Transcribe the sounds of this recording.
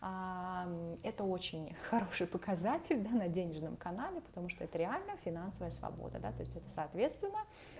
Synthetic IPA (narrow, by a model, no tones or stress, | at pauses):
a | ɛt̪əo̞t͡ɕɪnʲxɐɾo̞ʂɨjpəkɐzatʲɪlʲd̪anɐdʲenʲɪʐnəmkɐnalʲɪpə̥t̪ɐmuʂt̪oɛt̪əɾʲɪalʲnəəfʲɪnansəvəjəsvɐ̰bo̰d̪ə̰d̪a̰t̪o̞ɪsʲtʲɛt̪ə̥sɐːt̪vʲe̞t̪st̪vʲɪnːə